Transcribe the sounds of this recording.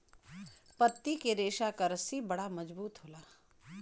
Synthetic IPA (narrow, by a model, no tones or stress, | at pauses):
pɐt̪ːikeɾeːʃakɐɾəsibɐɽamɐd͡ʒbuːt̪ɦoːlaː